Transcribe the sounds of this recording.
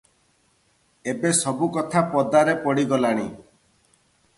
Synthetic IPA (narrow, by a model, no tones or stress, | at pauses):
ebesɔbukɔt̪ʰapɔd̪aɾepɔɽiɡɔlaɽ̃i